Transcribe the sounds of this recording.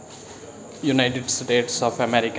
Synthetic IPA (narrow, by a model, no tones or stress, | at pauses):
junajʈeɖsʈeːʈsɔpʰəmeɾik